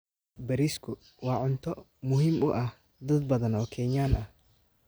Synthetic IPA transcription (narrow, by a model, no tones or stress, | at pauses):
bɐɾiskʰʊ | wɑːʕʊnt̪ʰɔ | mʊɦiːmʊʔɐh | d̪ɐd̪̚bɐðɐnɔːkʰɛɲaːnʔɐh